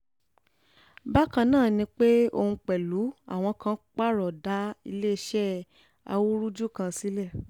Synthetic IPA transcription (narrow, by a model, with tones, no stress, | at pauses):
ba˦kã˧nãː˦˨nĩ˧˦k͡pe˦o̰˧hũ˧k͡pɛ˨lu˨˦a̰˦˨w̃ɔ̃˧kã˦k͡pa˦˨ɾɔ˨da˨˦i˧le˦i˧ʃɛ˦ | a̰˧wu˦ɾu˦d͡ʒu˦˨kã˧si˨˦lɛ˦˨